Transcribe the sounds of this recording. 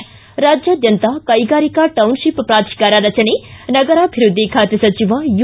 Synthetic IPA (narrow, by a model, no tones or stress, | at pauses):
ɾaːd͡ʒjaːd̪jɐnt̪akɐjɡaːɾikaʈɐwnʃippɾaːt̪ʃkaːɾaːɾɐt͡ʃɐnenɐɡɐɾaːbʱiɾud̪ʱːikʰaːt̪jɐsɐt͡ʃiʋaju